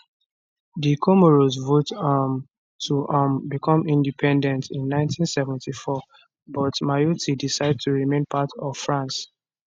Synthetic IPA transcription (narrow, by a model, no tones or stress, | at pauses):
dikʰomoɹozvotm | tʰuʔambikʰɔ̃mĩndipʰɛ̃ndɛ̃ntĩnːãɪ̃ntʰĩnsɛvɛ̃ntʰifɔ | bɔtmajutʰidisaɪd̚tʰuɹimẽnpʰatɔv̥fɹãns